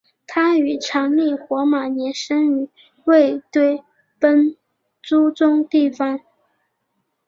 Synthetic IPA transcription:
t̪ʰa˥y˨˩ʈ͡ʂʰɑ˧˥ŋli˥˩xwɔ˧˥ma˨˩njɛ˧˥nʂə˥ŋy˨˩ | we˥˧ɪt̪we˥˩ɪ | pə˥n | ʈ͡ʂu˥ʈ͡ʂʊ˥ŋt̪i˥˩fɑ˨˩ŋ

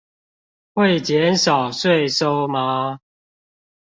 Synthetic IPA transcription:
xwe˥˨ɪt͡ɕjɛ˨˦nsɑ˨˩ʊswe˥˨ɪso˦ʊma˨˦

